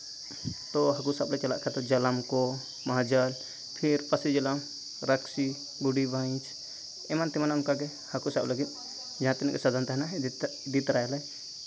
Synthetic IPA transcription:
t̪ɔɦakusablɛt͡ʃala̰ʔkʰɛt̪ɔd͡ʒɐləmkɔ | mɐɦad͡ʒəl | pʰiɾpəsid͡ʒɐlam | ɾəksi | ɡuɖibaj̃t͡ʃʰ | ɛmant̪imanaumkaɡɛ | həkusabləɡit̪̚ | d͡ʒaɦãt̪inʔkɛsad̪ant̪aɦna | d̪it̪ɾajlɛ

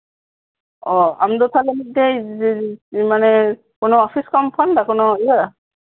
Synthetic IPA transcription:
ɔa̰md̪ɔt̪ʰalemit̚dɛj | manɛ | kʊnoɔpʰiskɔmpʰɔndakʊnoija

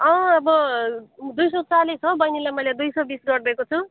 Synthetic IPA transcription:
ʌ̃ʌbʌ | d̪ujsʌt͡salet͡sʰobʌjnilajmʌjled̪ujsʌbisɡʌɾd̪ʌekot͡sʰu

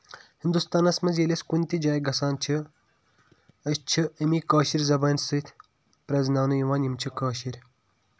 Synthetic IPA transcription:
hind̪ust̪aːnɐsmɐzjelʲeskunʲt̪id͡ʒaːjɡɐsaːnt͡ʃʰi | ɐst͡ʃʰiɐmiːkaːʃiɾʲzɐbɐːnsɨt̪ʰ | pɾɐznaːnujiʋaːnjimt͡ʃʰikaːʃiɾʲ

